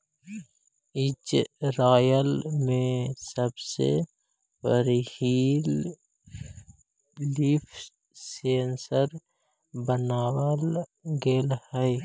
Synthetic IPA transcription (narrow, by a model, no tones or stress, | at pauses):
ɪd͡ʒɾaːjəlmẽsəbsḛ | pəɾhiːl | iːfʰ | seːnsəɾ | bənaːwəlɡelhɛj